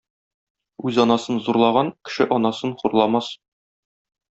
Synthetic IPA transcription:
ʉzɒnɑsɤnzuɾlˠɑʁɑnkɘ̥̆ʃɘʔɒnɑsɤnχuɾlˠɑmɑs

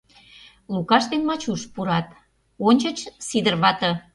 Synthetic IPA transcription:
lukɑʃt̪enmɑt͡ɕuʃpuɾɑt̪ | onʲt͡ɕə̆t͡ɕsid̪ərβɑt̪ɤ̆

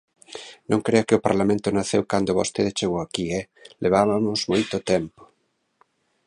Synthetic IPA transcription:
nõŋkɾeʊkɪopa̰ɾlamẽnt̪ʊnaθewkand̪oβost̪eðet͡ʃeɣoakiɛ | lʔeβ̞aβamʊzmojt̪ot̪ɛmpo̥

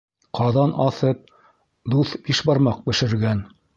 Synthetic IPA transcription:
qɑðɑnʔɑθɤp̚ | d̪uθb̥iʃbɑɾmɑq̚bɘ̆ʃɘ̆ɾɡæn

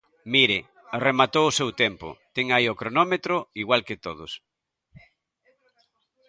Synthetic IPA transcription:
miɾɪ | aremat̪owʊsewt̪ɛmpʊ̰t̪ɛŋaiokɾonɔmet̪ɾʊiɣwalkɪt̪oðʊs

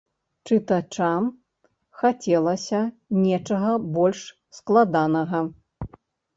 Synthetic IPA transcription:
t͡ʂɨt̪at͡ʂam | xat͡sʲɛlˠɐsʲɐ | nʲɛt͡ʂɐɣɐbɔlʲʂ | sklˠad̪anɐɣɐ

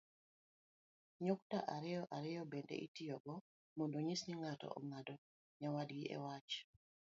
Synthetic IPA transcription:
ɲoktaʔaɾɛjɔʔaɾɛjɔbɛndḛʔitijɔɡɔ | mondoɲisniŋatɔ̰ʔɔ̰ŋadɔ | ɲawadɡiʔɛ̰wat͡ʃ

